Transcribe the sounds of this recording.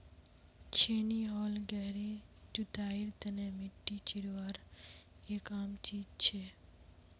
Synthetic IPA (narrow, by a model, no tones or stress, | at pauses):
t͡ʃʰeniɦɔlɡɛɾid͡ʒut̪aiɾt̪ənemɪʈːit͡ʃiɾʋaɾ | ekamt͡ʃid͡ʒt͡ʃʰe